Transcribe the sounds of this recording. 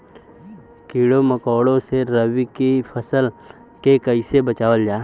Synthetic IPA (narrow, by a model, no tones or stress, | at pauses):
kiːɽoməkɔːɽõseɾəwikipʰɐsəl | kekəɪsebət͡ʃaːwəld͡ʒaː